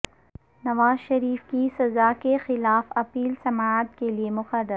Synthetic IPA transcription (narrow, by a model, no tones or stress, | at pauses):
nɐʋaːzʃɐɾiːfkisɐzakexɪlaːfɐpiːlsɐmaət̪̚keliemʊxərːəɾ